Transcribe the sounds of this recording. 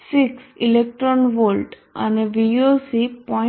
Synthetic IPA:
siksilek̚ʈɾɔnʋolʈ | a̰neʋiosipɔ̃

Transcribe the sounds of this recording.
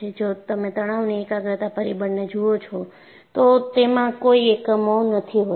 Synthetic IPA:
ed͡ʒot̪əmẽt̪əɽ̃aʋneekaɡɾət̪apəɾibəɳned͡ʒuot͡ʃʰo | t̪ot̪emãkoiekmonət̪ʰiɦo

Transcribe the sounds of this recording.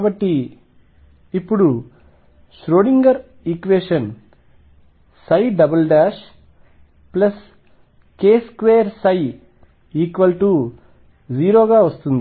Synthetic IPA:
bɐʈːi | ipːuɽu | ʃɾoːɽiŋɡɐɾ | ikʋeːʂɐn | sɐjɖɐbɐlɖaːʃ | plɐs | keːskʋeːjɐɾsɐj | iːkʋɐlʈu | d͡ʒiːɾoːɡaːʋɐst̪und̪i

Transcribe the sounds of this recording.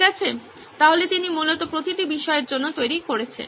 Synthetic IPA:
ɛt͡ɕʰe | t̪aɦolet̪inimulot̪opɾot̪it̪ibiʃɔeɾd͡ʑonːot̪ojɾikoɾet͡ɕʰḛn

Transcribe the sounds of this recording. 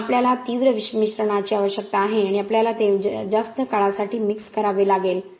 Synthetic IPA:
apljalat̪iʋɾəʋiɕəmiɕɾəɽ̃at͡ɕiaʋəɕjək̚t̪aːɦeaɽ̃iapljalat̪ed͡zast̪əkaɭasaʈʰiːmikskəɾaʋelaɡel

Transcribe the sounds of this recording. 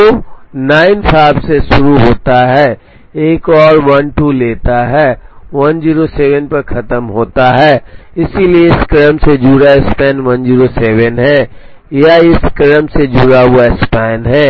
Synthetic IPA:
onaːɪnpʰaːɪbseʃʊɾuɦoːt̪aɦɛː | eːkɔːɾʋɐnʈuːleːt̪aɦɛːʋɐnd͡ʒiːɾoseːʋənpɐɾkʰɐt̪əmɦoːt̪aɦɛːɪsilieɪskəɾəmsed͡ʒuːɾaɪspɛːnʋɐnd͡ʒiːɾosɛːʋənɦɛ̃ | jaɪskəɾəmsed͡ʒuːɾaʋoɛspɛːnɦɛ̃ː

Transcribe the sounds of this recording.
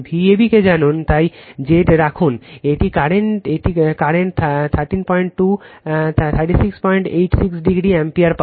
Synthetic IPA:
bʱiebiked͡ʑanunt̪ajd͡ʑeʈɾakʰuneʈikaɾenʈeʈikaɾent̪ʰt̪ʰaɾʈinpɔjɳʈ̚ʈut̪ʰt̪ʰaɾʈisikspɔjɳʈejʈsiksɖiɡɾiempiaɾpa

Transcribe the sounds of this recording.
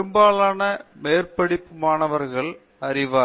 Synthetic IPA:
ɯmbaːɭaːnɐmeːrpɐɽɪpːɯmaːnɐʋɐɾɣɐɭ | ɐrɪʋaː

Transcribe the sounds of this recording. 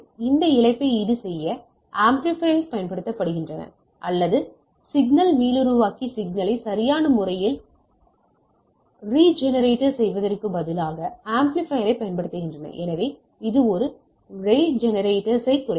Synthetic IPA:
ɪnd̪ɐɪlɐɪpːɐɪɪðɯsɛjːɐ | ʔaːmplɪfɐɪnspɐjɐnpɐɽɯt̪ːɐpːɐɽɯɣɪndrɐnɐ̰ | ʔɐlːɐðɯ | sɪɡnɐlmiːlɯɾɯʋaːkisɪɡ̚nɐlɐɪsɐɾɪjaːnɐmʊɾɐjɪl | riːd͡ʒɛnɐɾeːʈːɐɾsɛjʋɐðɐrkɯbɐðɪlaːɣɐaːmplɪfɐjɐɾɐɪpːɐjɐnpɐɽɯt̪ːɯɣɪndrɐnɐ̰ʔɛ̰nɐʋeː | ɪðɯɔɾɯ | reːd͡ʒɛnɐɾeːʈːɐɾsɐɪkːʊrɐ

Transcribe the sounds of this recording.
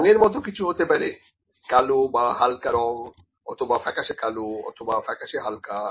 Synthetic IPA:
neɾmɔt̪okit͡ɕʰuɦot̪epaɾe | kalobaɦalkaɾɔŋ | ɔ̰t̪ʰobafʰɛkaʃekaloɔ̰t̪ʰobafʰɛkaʃeɦalka

